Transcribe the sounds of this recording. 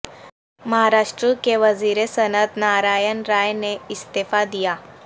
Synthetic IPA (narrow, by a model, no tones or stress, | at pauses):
məɦaɾaʂʈɾəkeʋəziɾesənət̪naɾajənɾajneɪst̪efad̪ija